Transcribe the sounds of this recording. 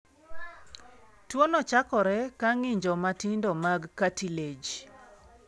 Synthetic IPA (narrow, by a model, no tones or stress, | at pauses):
twonɔt͡ʃakɔɾɛkaŋɪɲd͡ʒɔmatɪndɔmaɡkatiled͡ʒ